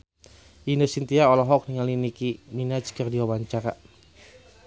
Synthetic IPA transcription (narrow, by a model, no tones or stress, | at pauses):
inosint̪iaɔlɔɦɔk̚niŋalinikininat͡ʃkərdiwawaɲt͡ʃaɾa